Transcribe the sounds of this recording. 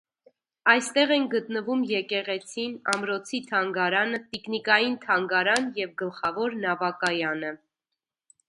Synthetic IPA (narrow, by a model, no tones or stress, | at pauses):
ɑjst̪ɛʁɛŋɡət̪nəvumjɛkɛʁɛt͡sʰinɑmɾɔt͡sʰit̪ʰɑŋɡɑɾɑnət̪iknikɑjint̪ʰɑŋɡɑɾɑnjɛvɡəlχɑvɔɾnɑvɑkɑjɑnə